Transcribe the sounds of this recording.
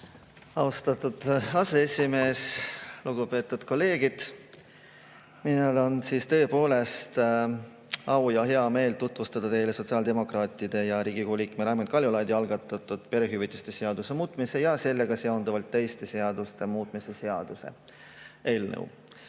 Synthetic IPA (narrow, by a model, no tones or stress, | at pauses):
ɑwst̪ɑt̪ud̪̥ɑse̞esʲime̞ːsluɡ̥upe̞ːt̪ːˑud̪̥ko̞lːe̞ːɡ̥id̪̥ | minelo̞nsiːst̪ɤ̞ːpo̞ːle̞st̪ | ɑwjɑɦe̞ɑme̞ːlt̪ut̪vust̪ɑd̪̥ɑt̪e̞jle̞so̞t̪siɑːld̪e̞mo̞krɑːt̪ːˑid̪̥e̞jɑɾiːɡikoulikˑmeɾɑːmenkɑlʲjulɑjd̪iɑlɡ̥ɑt̪ːˑɑt̪ːˑud̪̥pe̞ɾeɦyvit̪ːˑist̪eseɑd̪̥use̞muːt̪ˑmise̞jɑse̞lːe̞ɡ̥ɑseo̞nd̪̥ɑvɑlt̪ːe̞jst̪e̞se̞ɑd̪ust̪e̞muːt̪ˑmise̞se̞ɑd̪̥use̞̰ | eːlnə̰w